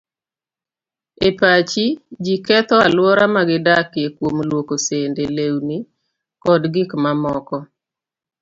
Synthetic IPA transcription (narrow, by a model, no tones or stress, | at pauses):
epat͡ʃid͡ʒikɛt̪ɔalwɔɾamaɡɪdakekwomlwokosendelewni | kɔdɡɪkmamɔkɔ